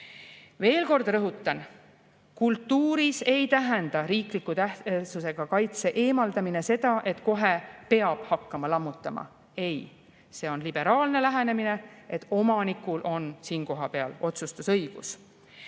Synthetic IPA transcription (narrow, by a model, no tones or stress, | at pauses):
ve̞ːlko̞rd̪̥rɾɤɦut̪ːˑɑn | kult̪ːˑuːɾise̞jt̪æɦend̪̥ɑɾiːklikːˑut̪æhsuse̞ɡ̥ɑkɑjt̪se̞ʔeːmɑld̪ɑmine̞se̞d̪̥ɑʔe̞t̪ˑko̞ɦe̞pe̞ɑb̥hɑkːɑmɑlɑmːut̪ːˑɑmɑ̰ | e̞j | se̞o̞nlib̥e̞ɾɑːlne̞læɦene̞mine̞et̪ːˑo̞mɑnikːˑulʔo̞nsiːnko̞ɦɑpeɑlo̞t̪sust̪usɤjɡ̥us